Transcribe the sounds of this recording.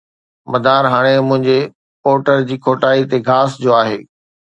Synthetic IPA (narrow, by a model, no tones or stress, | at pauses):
mɐd̪ʱaːɾɦaːɽ̃emʊ̃ɦɪ̃ɲd͡ʑe | poːʈəɾd͡ʑiːkʰoːʈaːit̪eɡʱaːsd͡ʑoːaːɦeː